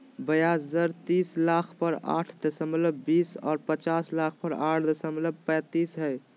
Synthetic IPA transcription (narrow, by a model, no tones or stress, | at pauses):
bəjaszəɾt̪islakʰpəɾa̰ʈʰd̪əsəmləbbisɔːɾpət͡ʃaslakʰpəɾaʈʰd̪əsəmləb̚pɛ̃t̪isɦəj